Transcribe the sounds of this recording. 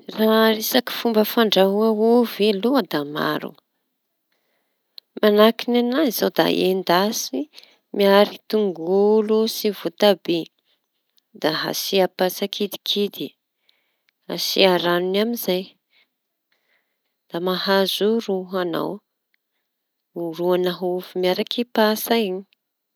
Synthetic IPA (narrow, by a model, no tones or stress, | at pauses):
raɾesaki̥fumbəfaɳɖ͡ʐaɦuaɦuveluad̪ama̰ɾṵ | manakinanaz̥awd̪a̰ʔḛnd̪asi | miaɾit̪uŋɡulusivut̪abe | d̪aɦa̰siapasakʰid̪i̥kʰid̪i | ha̰sḭaɾanunaminzaj | d̪̥amahazuruɦana̰w | ruanaɦuvimiaɾakʰipasaiɲi̥